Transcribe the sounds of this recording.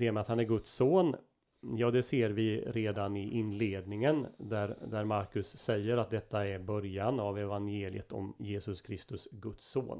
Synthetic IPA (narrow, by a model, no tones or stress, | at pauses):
d̪ɛːmɛat̪hanæɾɡɵt̪soːn | jɑːd̪ɛseːɾvɪɾeːd̪anɪʔɪnleːd̪nɪŋənd̪æɾd̪æɾmaɾkɵsːɛjːəɾat̪̚d̪ɛt̪ːaæɾbœɾjanavɛvanjeːlɪ̰ət̪ʰɔ̰mjeːsɵskʰɾɪst̪ɵsɡɵt̪sːo̰ːn